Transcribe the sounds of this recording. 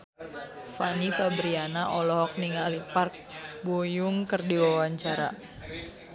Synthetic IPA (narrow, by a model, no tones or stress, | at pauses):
fanifabɾianaʔɔlɔɦɔk̚niŋalipark̚bojuŋkərdiwawaɲt͡ʃaɾa̰